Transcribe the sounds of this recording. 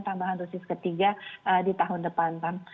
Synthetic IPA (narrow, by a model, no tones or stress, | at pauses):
t̪ambaɦand̪usɪskət̪iɡaʔədit̪aɦʊndəpant̪am